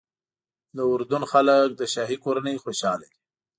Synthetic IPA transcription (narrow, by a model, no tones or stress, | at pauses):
d̪əʊɾd̪unxalək̚d̪əʃɑɦikoɾanejxoʃɑlai